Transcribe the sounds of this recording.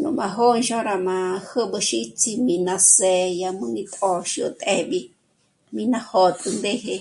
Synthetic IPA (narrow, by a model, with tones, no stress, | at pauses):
nṵ̃˨mã˧ɦo˦nʃõ˦ɾa˧mã˧hə˦bə˧ʃi˦t͡si˧mĩ˧nã˧se˧˨ja˧mɨ̃˦ŋĩ˧t̪ʼo˧ʃi˧o˧t̪ʼe˧ɓi˧ | mĩ˧nã˧ho˧t̪ʼɨ˧nd̪e˦ɦe˧